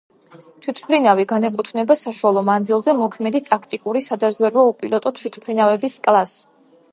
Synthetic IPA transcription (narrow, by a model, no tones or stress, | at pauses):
t̪ʰwit̪ʰpʰɾinaviɡanɛkʼut̪ʰvnɛbasaʃualˠɔmand̪zilˠzɛmɔkʰmɛd̪it̪ʼakʰt̪ʼikʼuɾisad̪azwɛɾvɔupʼilˠɔt̪ʼɔt̪ʰwit̪ʰpʰɾinavɛbiskʼlˠas